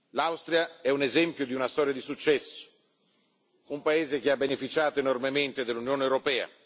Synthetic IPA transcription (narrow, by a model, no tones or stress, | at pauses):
lawst̪ɾiaɛunezɛmpjod̪iunast̪ɔːɾjad̪isut͡ʃːɛsːo̥ | umpaeːzek̟eabːenefit͡ʃaːt̪oenormement̪ed̪elːunjoːnewɾopɛːa̰